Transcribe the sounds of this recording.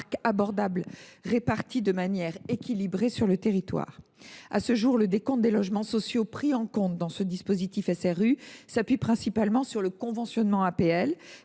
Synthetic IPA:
kabɔʁd̪ablʁepaʁt̪id̪əmanjɛʁekʲilibʁesyʁlət̪eʁit̪wa̰ːʁa̰səʒuʁləd̪ekɔ̃t̪̚d̪elɔʒmɑ̃sɔsjopχiɑ̃kɔ̃t̪̚d̪ɑ̃səd̪ispozit̪ifɛsɛʁysapɥipχɛ̃sipalmɑ̃syʁləkɔ̃vɑ̃sjɔnmɑ̃apeɛl

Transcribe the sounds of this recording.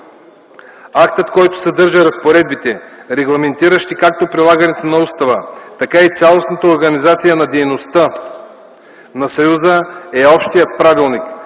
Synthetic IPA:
akt̪ət̪kɔjt̪o̥sɛd̪ɤɾʒəɾɐspoɾɛd̪̚bit̪ɛɾɛɡlˠɐmɛnt̪iɾəʃt̪ikak̚t̪opɾilˠaɡɐnɛt̪onɐust̪ɐvət̪ɐkait̪sʲalˠosnət̪əoɾɡɐnizat̪sijənɐd̪ɛjnost̪ə | nɐsɐjuzəɛɔpʃt̪ijət̪̚pɾavilˠnik

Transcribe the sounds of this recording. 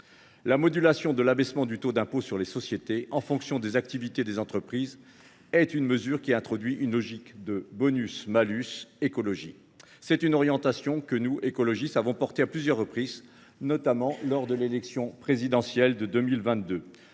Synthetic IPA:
lamɔd̪ylasjɔ̃d̪əlabɛsmɑ̃d̪yt̪od̪ɛ̃posyʁlesɔsjet̪eʔɑ̃fɔ̃ksjɔ̃d̪ezak̚t̪ivit̪ed̪ezɑ̃t̪χəpχiz | ɛt̪ynməzyʁkʲiɛ̃t̪χɔd̪ɥiʔynlɔʒikd̪əbɔnysmalysekɔlɔʒḭ | sɛt̪ynɔʁjɑ̃t̪asjɔ̃kənuekɔlɔʒist̪avɔ̃pɔʁt̪eaplyzjœʁːəpχiz | nɔt̪amɑ̃lɔʁd̪əlelɛksjɔ̃pχezid̪ɑ̃sjɛld̪əd̪ømilvɛ̃t̪̚d̪ø

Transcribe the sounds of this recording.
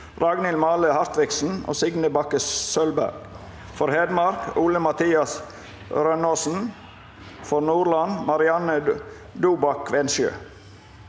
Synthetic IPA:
ɾɑɡnɪlmɑːləhæɾt̪ɾɪksn̩o̰ːsɪɡnəbɑkəssœlbæ̰ɾɡ̥ | fɔɾheːd̪mɑɾkʰuːləmɑt̪ʰiːɑs | ɾœnoːsn̩ | fɔɾnuːɾlɑnmɑɾɪɑnə | d̪uːbɑkʰʋɛnʃjø̰ː

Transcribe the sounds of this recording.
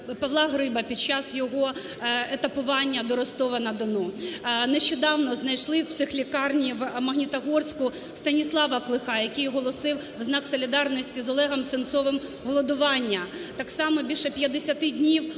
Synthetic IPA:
pɐwlˠɑɦɾɪbɐpʲid̪̚t͡ʃɑsjɔɦɔ | et̪ɐpʊʋɑnʲːɐd̪ɔɾɔst̪ɔʋɐnɐd̪ɔnɔneʃt͡ʃɔd̪ɑwnɔznɐjʃlˠɪwpsɪxlʲikɑrnʲiʋmɐɦnʲit̪ɐɦɔrsʲkʊ | st̪ɐnʲislˠɑʋɐklˠɪxɑjɐkɪjɦɔlˠɔsɪw | wznɑksɔlʲid̪ɑrnɔsʲtʲizɔlˠɛɦɐmsɪnt̪sɔʋɪm | ɦɔlˠɔd̪ʊʋɑnʲːɐ | t̪ɑksɑmɔbʲilʲʃɛpʲjɐd̪esʲɐt̪ɪdʲnʲiw

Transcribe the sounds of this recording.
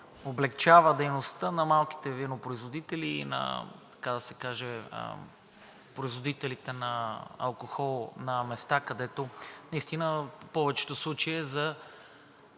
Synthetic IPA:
oblɛkt͡ʃavəd̪ɛjnost̪ənɐmalˠki̥t̪ɛvinopɾoizvod̪it̪ɛlinɐ̰t̪ɐ̥kad̪ɐsɛkaʒɛ̰ | pɾoizvod̪it̪ɛlit̪ɛnɐɐ̰lˠkoxɔlˠnɐmɛst̪akɐd̪ɛt̪onɐist̪inəpɔvɛt͡ʃɛ̥t̪oslˠut͡ʃəjɛzɐ

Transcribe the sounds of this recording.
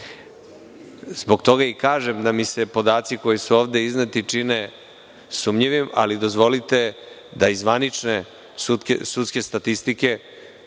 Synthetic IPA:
zbo̞ɡt̪o̞ɡaikaːʒe̞md̪amisepo̞d̪aːt̪siko̞jisuoːʋd̪e̞iznet̪it͡ʃine̞ | sumɲiʋima̰lid̪o̞zʋo̞lit̪e̞ | d̪aizʋanit͡ʃne | sut̪kḛsut̪ske̞st̪at̪ist̪ike̞

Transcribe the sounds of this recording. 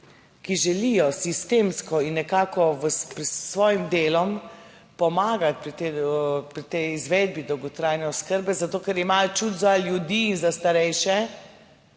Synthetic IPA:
kiʒɛlijɔsist̪eːmskɔinːɛkaːkɔʋəpɾɛsʋɔːjimd̪eːlɔm | pɔmaːɡat̪tːpɾit̪ɛjizʋeːd̪̚bid̪ɔwɡɔt̪ɾaːjnɛɔskəɾbɛzat̪oːkɛɾimajɔt͡ʃut̪zaljud̪iːnzast̪aɾɛjʃɛ

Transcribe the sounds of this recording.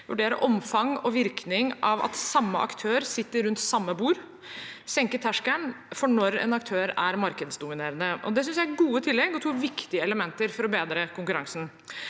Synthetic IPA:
ʋʉɖeːɾə̰ʔɔmfɑŋɔʋɪɾknɪŋɑʋɑ̰t̪sɑmːə̰ʔɑ̰kt̪ʰøːɾsɪt̪ːəɾʉnt̪sɑmːəbuːɾ | sɛŋkət̪ʰæʂkənfɔɳɔɾɛ̰nɑk̚t̪ʰøːɾæɾmɑɾkəd̪sd̪ʊmɪneːɾənəʔɔ̰d̪ɛsʏnsjæɡuːət̪ʰɪlːɛɡɔt̪ʰuːʋɪkt̪ɪəɛləmɛnt̪əɾfɔɾɔbeːd̪ɾəkʰʊŋkʉɾɑŋsn̩

